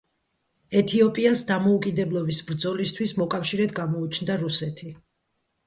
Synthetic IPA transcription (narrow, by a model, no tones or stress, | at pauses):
ɛt̪ʰiɔpʼiasd̪amɔukʼid̪ɛblˠɔbisbɾd̪zɔlist̪ʰwismɔkʼafʃiɾɛt̪ɡamɔut͡ʃʰnd̪aɾusɛt̪ʰi